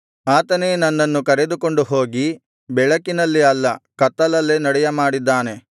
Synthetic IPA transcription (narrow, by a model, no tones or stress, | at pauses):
aːt̪ɐneːnɐnːɐnːukɐɾe̞d̪uko̞ɳɖuɦoːɡi | bɛɭɐkinɐlːiɐlːɐkɐt̪ːɐlɐlːenɐɽɛjɐmaːɽid̪ːaːne̞